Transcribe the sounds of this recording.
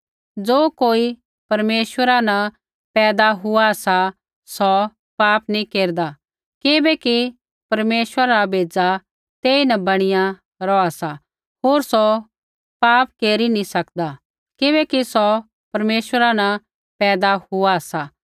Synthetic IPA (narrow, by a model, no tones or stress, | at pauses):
d͡zoːkoːi | pɐɾmeːʃwəɾanɐ | pɛːd̪aɦʊasa | sɔ | paːpnĩkeːɾd̪a | kɪbɛki | pɐɾmeːʃwəɾabʱeːd͡za | t̪eːinɐbɐɽ̃ɪjã | ɾɔasa | ɦoːɾsɔ | paːpkeːɾinĩsɐkd̪a | kɪβɛkisɔ | pɐɾmeːʃwəɾanɐ | pɛːd̪ahʊasa